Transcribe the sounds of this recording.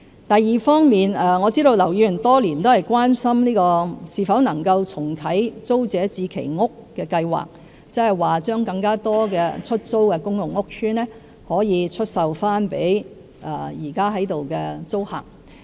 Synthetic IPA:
t̪ɐ˨jːiː˨˩fɔː˥ŋmiː˨nɛː˨ŋɔː˨˧t͡siː˥ɾo˧wlɐ˨˩wjiː˧jɵ˨˩nt̪ɔː˥liː˨˩nt̪o˥whɐ˨jkʷaː˥nsɐ˥mniː˥kɔː˧siː˨˧fɐ˨˥wnɐ˨˩ŋkɐ˧wt͡sʰʊ˨˩ŋt̪ʰɐ˨˥jt͡so˥wt͡sɛː˨˥t͡siː˧kʰe˨˩jŋʊ˥kːɛː˧kɐ˧jwa̰ː˨˩k̚ | t͡sɛ˥hɐ˨˩jwaː˨t͡ʃœː˥ŋkɐ˧ŋkaː˥t̪ɔː˥kɛ̰ː˧t͡ʃʰɵ˥t̚t͡so˥wkɛː˧kʊ˥ŋjʊ˨˩ŋːʊ˥k̚sʰyː˥nɛː˥ | hɔː˨˥jiː˨˧t͡sʰɵ˥t̚sɐ˨wfaː˥npḛ˨˥j | ʔɛ̰˨˩jiː˨˩kaː˥ɦɐ˨˥jt̪o˨wkɛː˧t͡so˥wha̰ː˨˩k̚

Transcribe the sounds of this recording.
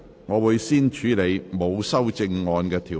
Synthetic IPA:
ŋɔː˨˧wuː˨˧jsiː˥nt͡ʃʰyː˨˧˥le˨˧jmo˨˧wsɐ˥wt͡sɪ˧ŋːɔː˧nkɛː˧t̪ʰiː˨˩

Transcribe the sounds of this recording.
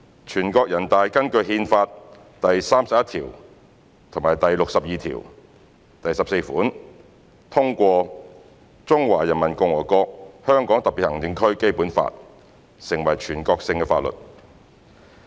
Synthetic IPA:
t͡ʃʰyː˨˩nkɔː˧k̚jɐ˨˩nt̪aː˨˧jkɐ˥nkɵ˧ɥɦiː˧nfaː˧t̚ | t̪ɐ˨jsaː˥msɐ˨p̚jɐ˥t̪ʰiː˨˩w | t̪ʰʊ˨˩ŋmaː˨˩jt̪ɐ˨jlʊ˨k̚sɐ˨p̚jiː˨˧t̪ʰḭː˨˩w | t̪ɐ˨jsɐ˨pse˧jfuː˨˥n | t̪ʰʊ˥ŋkʷɔː˧ | t͡sʊ˥ŋwaː˨˩jɐ˨˩nmɐ˨˩nkʊ˧ŋwɔː˨˩jkɔː˧k̚hœː˥ŋkɔː˨˥ŋt̪ɐ˨p̚pi˨t̚hɐ˨˩ŋt̪ɪ˨˧ŋkʰɵ˥ɥke˥jpuː˨˥nfa̰ː˧t̚ | sɪ˨˩ŋwɐ˨˩jt͡ʃʰyː˨˩nkɔː˧k̚sɪ˧ŋkɛː˧faː˧t̚lɵ̰˨t̚

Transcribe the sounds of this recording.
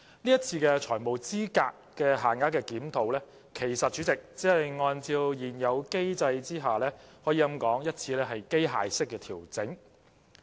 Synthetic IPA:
niː˥ɐ˥t̚t͡sʰiː˧kɛː˧t͡ʃʰɔː˨˩jmo˨˩wt͡siː˥kaː˧kkːɛː˧ɦaː˨˩nŋaː˨˥kɛː˧kiː˨˥mt̪ʰo˨˧wlɛː˥ | kʰe˨˩jsɐ˨t̚t͡ʃy˨˥t͡sɪ˨k̚t͡siː˨˥hɐ˨jŋɔː˧nt͡siː˧wjiː˨˩njɐ˨˧wke˥jt͡sɐ˧jt͡siː˥ɦaː˨lɛː˥hɔː˨˥jiː˧jɐ˥mkɔː˨˥ŋjɐ˥t̚t͡sʰiː˧lɛː˥ɦɐ˨jke˥jɦa̰ː˨jsɪ˥kːɛː˧t̪ʰiː˨˩wt͡sɪ˨˥ŋ

